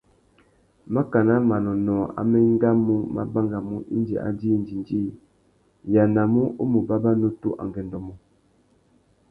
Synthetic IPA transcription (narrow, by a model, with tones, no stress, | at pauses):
ma˦ka˨na˦ma˨nɔ˨nɔ˨a̰˨mɛ˦ŋ˦ɡa˦mu˦ma̰˦ba˦ŋɡa˨mu˦ʔḭ˦nd͡ʒḭ˨ʔa̰˨d͡ʒi˦n˦d͡ʒi˨nd͡ʒi˦ | ja˨na˨mu˦ʔo˦mu˨ba˦ba˦no˦tṵ˦ʔa̰˨ŋɡɛ˨ndɔ˨mɔ˨